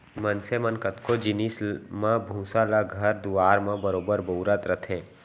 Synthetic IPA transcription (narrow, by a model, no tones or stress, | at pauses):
mɐnsemənkət̪kod͡ʒɪnismãbʱũːsaːlaɡʱɐɾd̪uaːɾmãbəɾoːbəɾboːɾət̪ɾət̪ʰẽː